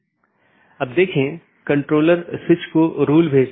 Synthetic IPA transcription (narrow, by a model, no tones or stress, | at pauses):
ɐb̚d̪eːkʰẽ | kɐ̃ɳʈɾoːləɾsɪt͡ʃkoɾuːlbʱeːd͡ʒ